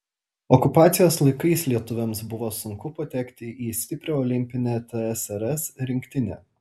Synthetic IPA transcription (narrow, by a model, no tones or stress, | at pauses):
ɔkʊpɑːt̪sʲɪjoːslˠɐɪkɐɪslʲiɛt̪ʊʋʲɛmsbʊʋoːsʊŋkʊpɐt̪ʲɛkt̪ʲɪʔiːsʲt̪ʲɪpʲɾʲoɔːlʲɪmʲpʲɪnʲæːt̪ʲɛɛsɛɾɛsɾʲɪŋʲkʲt̪ʲɪnʲæ̰ː